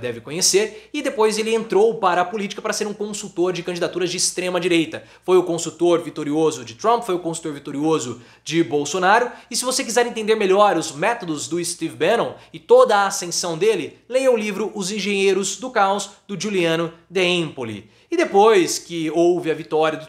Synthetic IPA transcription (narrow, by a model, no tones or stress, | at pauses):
d̪ɛvɪkõɲeseɾɪd̪epojzelɪẽnt̪ɾowpaɾɐːpolit͡ʃi̥kɐpaɾɐseɾũkõsuwt̪oɾd͡ʒɪkɐ̃d͡ʒid̪at̪uɾɐd͡ʒɪːst̪ɾẽmɐd͡ʒiɾejt̪ɐ | fojʊkõsut̪oɾvit̪oɾiozʊd͡ʒɪt̪ɾɐ̃mpfojʊkõsu̥t̪oɾvit̪oɾiozʊ | d͡ʒɪbowsonaɾʊɪsɪvosek̬izɛɾẽt̪ẽnd̪eɾmeʎɔɾʊzmɛt̪od̪ʊzd̪ʊɪst̪ivbeɾnõw̃ɪt̪od̪ɐːsẽsɐ̃w̃d̪elɪlejewʊlivɾʊʔʊzĩʒẽɲejɾʊzd̪ʊkalʊzd̪ʊʒuliɐ̃nʊd̪eẽpolḭ | ɪd̪epojskɪowvɪɐvit̪ɔɾiɐd̪ʊ